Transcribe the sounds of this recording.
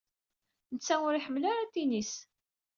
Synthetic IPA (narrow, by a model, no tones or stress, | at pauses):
nət͡sːæʊɾiħəmːlaɾat̪inis